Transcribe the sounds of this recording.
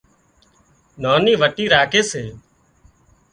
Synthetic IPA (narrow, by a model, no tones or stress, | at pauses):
naːniːʋəʈiːɾaːkeːseː